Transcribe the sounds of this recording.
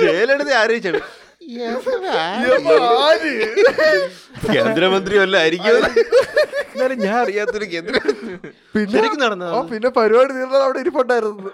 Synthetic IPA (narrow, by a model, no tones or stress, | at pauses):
t͡ɕeːleɽɐt̪ːeaːɾɐɦit͡ɕːɐaɭɨ | omaːli | keːnd̪ɾɐmɐnd̪riɐlːɐɐɾikʲːuɐlːɐ | nːaːleɲaːnɐrijaːt̪ɐoluk̬e̞ːnd̪ɾɐ | pinɕːeɐɾikkʲːunɐɽɐnːɐðoːpinːe̞pɐɾuʋaːɽiniːɾnaːðɐʋiɽeiɾipːoːʈːɖaːjiɾunːɐðɨ